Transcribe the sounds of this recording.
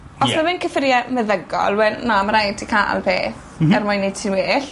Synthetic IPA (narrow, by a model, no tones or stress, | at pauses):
ɔsmavɪnkʰəfɪrjaməðəɡɔ̰lˠwɛlnaməɾajdʰikʰaʔa̰lˠpʰḛː | ɛrmʊjnːe̥tʰinweːɬ